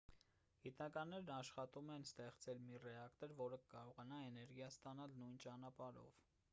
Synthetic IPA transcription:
ɡ̥it̪nɑkɑnːɛɾnɑʃχɑt̪umɛnst̪ɛχt͡sɛlmirɛɑkt̪ɔɾvɔɾəkəkɑɾɔʁɑnɑɛnɛɾɡjɑst̪ɑnɑlnujnt͡ʃɑnɑpɑɾɔ̰v

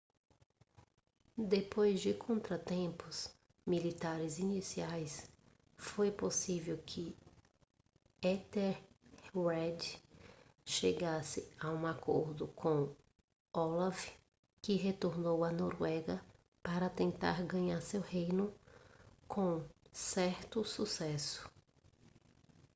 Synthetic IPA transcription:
d̪epojzd͡ʒɪkʰõnt̪ɾɐt̪ẽpʊs | milit̪aɾɪzinisiajs | fojposivewkʰɪ | ɛt̪ɛɾwɛd̪ | ʃeɡasɪaũakʰoɾd̪ʊkʰõ | ɔlav | kɪɦet̪oɾnowɐnoɾwɛɡɐ | paɾɐt̪ẽnt̪a̰ɾɡɐ̃ɲaɾsewhejnʊ | kʰõsɛɾt̪ʊsusɛsʊ̥

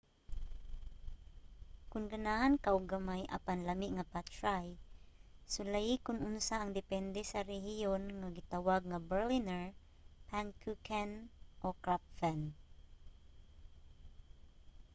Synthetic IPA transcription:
kʊnɡanahankaʔʊɡamajʔa̰panlamɪʔŋapat͡ʃɹaj | sʊlajikʊnʔʊnsaːŋd̪ɛpɛnd̪ɛsaɾɛhɪjonŋaɡɪt̪awaɡ̚ŋabɛɹlinɛɹ | pankʰukʰanʔokɹapfɛn

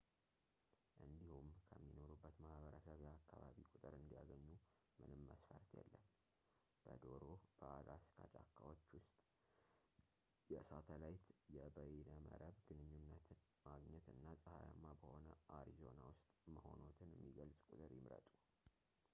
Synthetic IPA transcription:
ʔɨnd̪ihumkʰəmːino̞ɾubːət̪mahbəɾəsəβjɛakːaβaβikʼʊt̪ʼɨɾɨnd̪ijaɡəɲːu | mɨnɨmːəsfəɾt̪ʰjɛ̰lːəm | b̥əd̪o̞ɾo̞b̥əaɡaskʰad͡ʒakːawo̞t͡ʃːwʊst̪ʼ | jɛsat̪ʰəlajt̪jɛbəjɛnəmə̰ɾəβɡɨnɨɲːunːət̪ʰ | maɡɲɛt̪ɨnːasʼəha̰jamːabəho̞nəʔaɾizo̞nawʊst̪ʼməho̞not̪ʰɨnjɛmːiɡəlsʼkʼʊt̪ʼɨɾjɪmɾə̰t̪ʼu

